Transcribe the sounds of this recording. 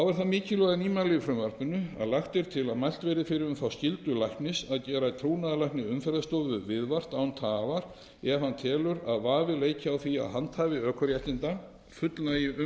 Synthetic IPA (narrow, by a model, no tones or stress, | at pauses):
θawvaɾ̥θamɪːcɪlɔɣðɪniːmalɛjʏfɾʏmvaɾ̥pʏnʏa̰ðlaxt̪ɪɾ̥t̪ʰɪlaðmajl̥t̪vejɾɪfɪɾɪɾʏmθawscɪlt̪ʏlajhknɪsaðcɛːɾaɪt̪ʰɾownaðalajhknɪʏmfɛɾðast̪owðvʏvɪðvar̥t̪awʏnt̪ʰaːvaɾ̥ | ɛɾhanːt̪ʰɛːlʏɾaðvaːvɪleːjcɪawθia̰ðɦant̪haːvɪœːkʰœɾjahc̪ɪnt̪a | fʏt̪lai